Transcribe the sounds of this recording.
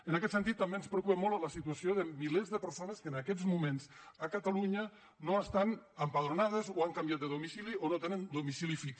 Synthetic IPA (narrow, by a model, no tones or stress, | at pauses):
ənakɛt̪sənt̪it̪ːambenspɾəokupəmolˠt̪ləsit̪uasioðəmilezðəpəɾsonəskəːnakɛzmumenzəkət̪aluɲə | noəst̪anəmpaðɾunað̞əzoaŋkambjat̪̚d̪əðumisilionot̪enənd̪umisilifik